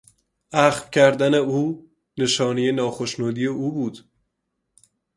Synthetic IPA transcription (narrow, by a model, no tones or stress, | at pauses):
ʔæxvcʰæɾd̪æne̞uː | ne̞ʃɒːnijenɒːxoʃnuːd̪iːje̞ʔuːbuːd̪